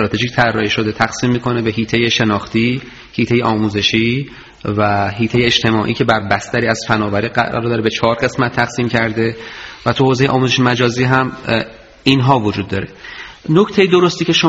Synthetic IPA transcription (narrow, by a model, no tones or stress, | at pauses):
ɾɒːt̪ʰe̞ʒict̪ʰæɾːɒːhiʃo̞d̪et̪ʰæxsiːmːiːkʰo̞ne̞be̞ɦiːt̪ʰe̞jeʃe̞nɒːxt̪iː | hiːt̪ʰe̞jeʔɒːmuːze̞ʃiː | væɦiːt̪ʰe̞jeed͡ʒt̪ʰe̞mɒːʔiːcʰe̞bæɾbæst̪æɾiːæz̥fænɒːvæɾiːɡæ̰ɾd̪ɒːɾebe̞t͡ʃʰɒːɾɢe̞smæt̪ʰːæɣ̥siːmcʰæɾd̪e̞væt̪ʰuhoːze̞jeʔɒ̰ːmuːzeʃemæd͡ʒɒːziːɦæm | inɦɒːvod͡ʒuːd̪ːɒːɾenoct̪ʰe̞jid̪o̞ɾost̪iːcʰe̞ʃo